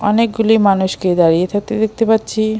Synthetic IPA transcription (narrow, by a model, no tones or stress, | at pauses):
ɔnek̚ɡulimanuʃked̪aɾijet̪ʰak̚t̪ed̪ek̚ʰt̪epat̪ːɕʰi